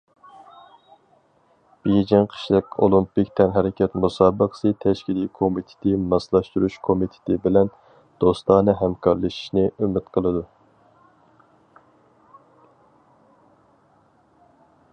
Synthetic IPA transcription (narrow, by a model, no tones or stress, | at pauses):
b̥id͡ʒɪŋqʰə̥ʃlˠɨkʲolˠumpikʲt̪ʰɛnɦɛɾɪkʲʰɛt̪musɑːbəqʰə̥sɨt̪ʰɛʃkʲilikʰomit̪ʰɪ̥t̪ʰɪmɑslˠɑʃt̪uɾuʃkʰomit̪ʰɪ̥t̪ɪbɪlɛn | d̪̥ost̪lˠɑːnɨɦɛmkʰɑɾlˠɨʃi̥ʃnɪʔømɪt̪qʰəlˠɨd̪u